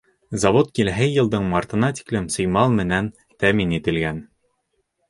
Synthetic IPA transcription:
zɑvot̪̚kilɦɘjɤ̆lˠd̪ɤɴmɑɾt̪ɤ̆nɑt̪ʲi̥klɘmsɤ̆jmɑlˠmɘ̆næn | t̪æminit̪ɘ̆lɡæn

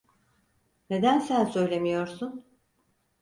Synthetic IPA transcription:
ne̞d̪ænsænsø̞jlʲe̞mijo̞ɾsun

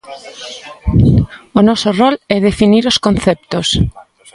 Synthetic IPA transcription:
onɔsorɔlɛðefiniɾoskonθɛp̚t̪os

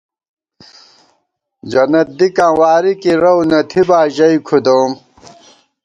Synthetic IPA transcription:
d͡ʑɐnɐt̪̚d̪ikãːwaːɾikiɾɐwnɐt̪ʰibaːʑɐjkʰud̪oːm

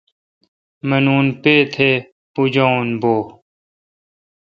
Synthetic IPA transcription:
mɐnuːnpeːt̪ʰeː | pud͡ʑoːnboː

